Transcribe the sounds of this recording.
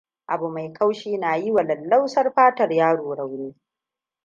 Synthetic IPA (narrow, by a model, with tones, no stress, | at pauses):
ʔa˨bu˨ma˨jkʰa˦wʃiː˦naː˨ji˦wa˨lɐ˨lːa˦wsɐ˦rɸaː˦tɐ˨rjaː˦ɽoː˨ɽa˨wniː˦